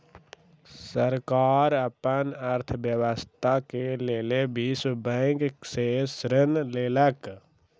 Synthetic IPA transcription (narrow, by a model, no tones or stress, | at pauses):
səɾkaːɾəpənəɾt̪ʰbjəʋəst̪ʰakeleːlebisbəɡsesɾənleːlək